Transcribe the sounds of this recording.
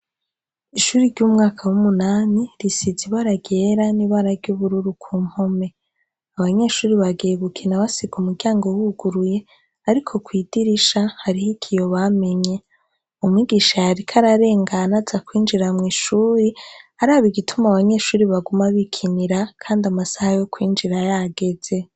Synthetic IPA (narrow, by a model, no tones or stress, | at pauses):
iʃuɾiɾɟumŋaːkʰawumunaːniɾisiziβaɾaɡe̞ːɾaniβaːɾaɾɟuːβuɾuɾukʰuːm̥home̞ | aβaɲe̞ːʃuːɾiβaɡeːɡukʰinaβasiɡumuɾɟaːŋɡo̞wuɡuɾuje̞ | aɾikʰo̞kwiːdiɾiʃahaɾihikʰijo̞βame̞ɲe̞ | umŋiɡiʃajaɾikʰaɾaɾe̞ːŋɡanazakwiːnd͡ʒiɾamŋiːʃuːɾiaɾaːβiɡitʰumaβaɲe̞ːʃuːɾiβaɡumaβikʰiniɾakʰaːndamasahajo̞kwiːnd͡ʒiɾajaɡe̞z̥e̞